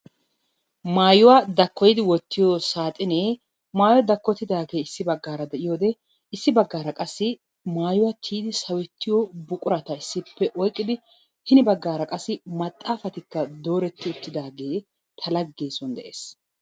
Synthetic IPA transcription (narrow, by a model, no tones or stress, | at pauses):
maːjʊwad̪ɐkːɔjɪd̪ɪwɔt̪ːɪjosaːt̪ʼɪneː | maːjɔd̪ɐkːɔt̪ːɪd̪aːɡe̞ːɪsːɪbɐɡːaːɾɐd̪ɛʔɪjoːd̪ɛ | ɪsːɪbɐɡːaːɾɐkʼɐsːɪ | maːjʊwat̪ʰiːd̪ɪsɐwɛt̪ːɪjɔbʊkʼʊɾɐt̪ɐɪsːɪpːɛʔɔjkʼːɪd̪ɪ | hɪnɪbɐɡːaːɾɐkʼɐsːɪmɐt̪ʼːaːfɐt̪ɪkːɐd̪o̞ːɾɛt̪ːɪʊt̪ːɪd̪aːɡe̞ː | t̪ʰɐlɐɡːeːsɔnd̪ɛ̰ʔḛːs